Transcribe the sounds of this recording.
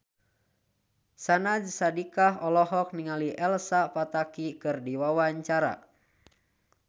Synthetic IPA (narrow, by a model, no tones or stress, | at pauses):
sanad͡ʒsadikaɦɔlɔɦɔk̚niŋaliʔɛlsapat̪akikɨrdiwawaɲt͡ʃaɾa̰